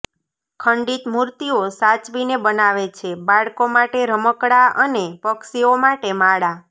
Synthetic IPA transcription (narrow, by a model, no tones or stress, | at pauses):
kʰəɳɖit̪muɾt̪iosat͡ʃʋinebənaʋet͡ʃʰebaɭkomaʈeɾəməkɽaənepəksiomaʈemaɽa